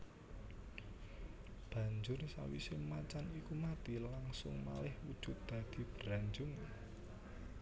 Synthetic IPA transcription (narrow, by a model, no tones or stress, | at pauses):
b̥ä̤ɲd͡ʒʊrsa̰wḭsɪmat͡ʃanikumat̪ilaŋsʊ̰ŋma̰lɪhwud̥ʒ̥ʊt̪̚d̪̥a̤d̪̥i̤b̥əɾaɲd͡ʒʊŋ